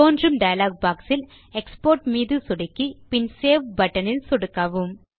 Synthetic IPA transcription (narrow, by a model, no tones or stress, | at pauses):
oːndrɯmɖɐjɐlaːɡ̚baːksɪl | ɛkspoːɾʈmiːðɯsɔɽɐkːipɪnseːʋbɐʈːɐnɪlsɔɽɯkːaːʋɯm